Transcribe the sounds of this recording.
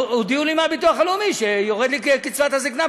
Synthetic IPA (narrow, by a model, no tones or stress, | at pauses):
od̪iulimabituaχalumiʃejoʁed̪likkit͡svat̪hazikna